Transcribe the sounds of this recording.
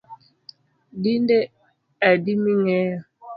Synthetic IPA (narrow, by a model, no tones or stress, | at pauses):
dinde | adimiŋɛjɔ